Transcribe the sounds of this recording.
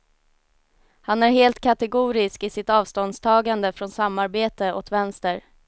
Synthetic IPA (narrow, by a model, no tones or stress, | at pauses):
hanæɾɦeːlt̪kʰat̪ɛɡuːɾɪskɪsɪt̪ɑːvst̪ɔnst̪ʰɑːɡand̪əfɾɔnsamːaɾbeːt̪əʔɔt̪vɛnst̪əɾ